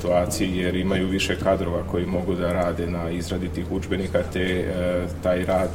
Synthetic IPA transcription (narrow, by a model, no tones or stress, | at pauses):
t̪uaːt̪sijijeɾimajuʋiʃe̞kad̪ɾo̞ʋako̞jimo̞ɡud̪aɾaːd̪e̞naizɾad̪it̪ixud͡ʒbe̞nikat̪et̪aːjɾaːd̪